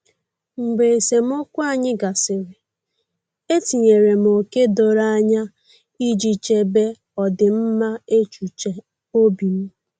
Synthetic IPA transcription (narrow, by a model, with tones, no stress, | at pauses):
ŋ͡m̩˨ɡ͡be˨e˨se˨m̩˦ʊ˦kʷa˨ɲɪ˦ɡa˨sɪ˨ɾɪ˨ | e˦ti˨ɲe˨ɾe˨m˨o˨ke˦do˨ɾa˦ɲa˦ | i˦d͡ʒi˦t͡ʃe˦be˦ | ɔ˨dɪ˨m̩˦ma˦e˦t͡ʃu˨t͡ʃe˨ | o˦bi˨m̩˦